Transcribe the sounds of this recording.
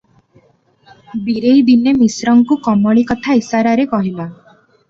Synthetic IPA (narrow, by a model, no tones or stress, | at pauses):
biɾejd̪inemisɾɔŋkukɔmɔɭikɔt̪ʰaisaɾaɾekɔɦila